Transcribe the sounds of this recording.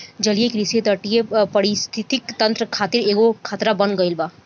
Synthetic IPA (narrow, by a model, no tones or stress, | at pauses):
d͡ʒɐlijekɾiset̪əʈijepɐɾɪst̪ʰɪt̪ɪkt̪ɐ̃nt̪ɾəkʰaːt̪ɪɾeːɡokʰaːt̪ɾabɐnɡɐɪlbaː